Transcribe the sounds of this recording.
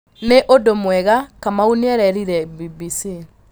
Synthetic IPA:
neʔodomwɛɣakamauniɛɾɛɾiɾɛbibisi

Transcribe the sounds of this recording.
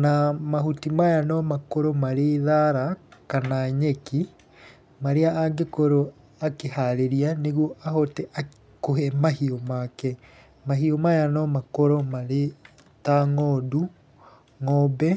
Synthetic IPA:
namahutimajanɔmakoɾɔmaɾeðaɾakanaɲeki | maɾeaaɡekoɾo | akehaɾeɾianeɣwɔʔahɔtɛʔa | kohɛmahiomakɛ | maɦiomajanɔmakoɾɔmaɾe | taŋɔdu | ŋɔbɛ

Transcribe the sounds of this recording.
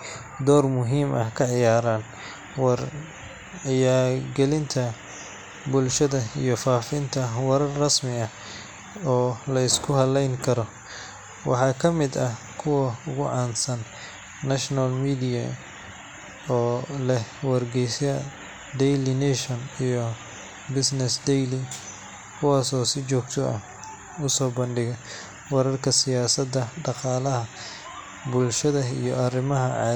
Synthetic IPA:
d̪ɔːrmʊɦiːmʔɐhkʰɐʕɪjaːɾaːn | wɐr | ʕɪjaːɾɡɛlɪnt̪ʰɐ | bʊlʃɐðɐijɞfaːfɪnt̪ʰɐwɐɾɐrːɐsmɪɐ | ɔːlɐɪskʰʊɦɐlɛjŋkʰɐɾɔ | wɑ̰ħɑːkʰɐmɪd̪ɐ | kʰʊwɐʊɣʊʕɑːnsɐnː | ɐʃnɐlmiːd̪ɪjɐ | ɔːlɛwɐrɡɛjsɐ | d̪ɛjlɪnɛʃɐnijɔ | bɪsnɛsd̪ɛjli | kʰʊwɑːsɔːsɪt͡ʃɔːɡ̚t̪ʰɔʔɐ | ʊsɔːbɐnɖɪɣɐ | wɑɾɐrkʰɐsɪjaːsɐd̪ːɐɖɑqɑːlɐɦɐ | bʊlʃɐðɐḭjɔɐrɪmɐɦɐʕɑ̰

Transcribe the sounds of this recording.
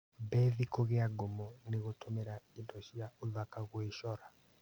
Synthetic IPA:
bɛðikoɣeaɡomɔneɣotomeɾaendɔʃiaoðakaɣweʃɔɾa

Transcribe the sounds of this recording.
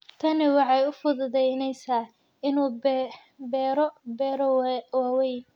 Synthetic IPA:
t̪ʰɐnɪwɑħɑjʊfʊðʊðɛjnɛjsaː | ɪnuː | bɛːɾɔbɛːɾɔwaːwɛj

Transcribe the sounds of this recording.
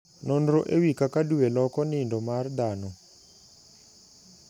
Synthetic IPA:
nɔnɾɔʔewikakaduwelɔkɔnɪndɔmard̪anɔ

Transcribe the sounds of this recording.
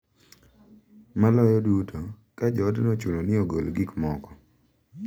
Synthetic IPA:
malɔjɔdutʰo | kad͡ʒɔdnɔt͡ʃulonɪoɡolɡikmɔkɔ̥

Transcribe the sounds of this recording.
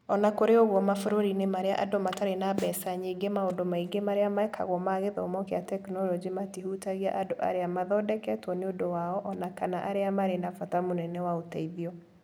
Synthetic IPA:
ɔnakoɾeoɣwɔmafoɾoɾinemaɾea̰ʔadomataɾenaβɛsaɲeiɡemaodomaiɡemaɾeamaɛkʰa̰ɣwɔmaɣeðɔ̰mɔkeatɛknɔlɔd͡ʒimatiɦutaɣiaʔadoʔa̰ɾeamaðɔdɛkɛtwɔneodowaɔʔɔnakanaʔaɾeamaɾenafatamonɛnɛwaotaiðiɔ

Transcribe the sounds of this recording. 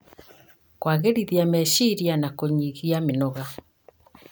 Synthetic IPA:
kwaɣeɾiðiamɛʃiɾianakoɲiɣiamenɔɣa

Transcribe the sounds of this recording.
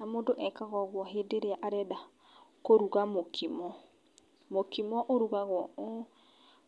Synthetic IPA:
namondoʔɛkaɣɔɣwɔɦedeɾeaʔaɾɛda | koɾuɣamokʰimɔ | mokimɔʔoɾuɣaɣwɔo

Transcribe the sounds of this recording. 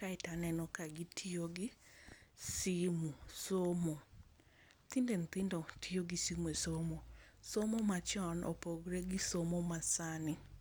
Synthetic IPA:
kaɪtanɛnɔkaɡitʰioɡɪ | simusomo | t̪indent̪ɪndotʰioɡisimwesomosomomat͡ʃɔnʔo̰poɡɾeɡɪsomomasanɪ

